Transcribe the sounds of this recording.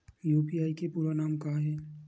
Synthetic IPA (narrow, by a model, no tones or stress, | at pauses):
juːpiaːikepuːɾanaːmkaːɦɛː